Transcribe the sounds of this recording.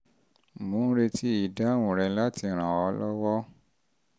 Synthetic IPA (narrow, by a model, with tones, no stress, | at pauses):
mũ˨˦n̩˦ɾe˧tʰi˦i˨da˨˦wũ˨ɾɛ˧˦la˦ti˧˨ɾ̃ã˨ɔ˧˦lɔ˦wɔ˦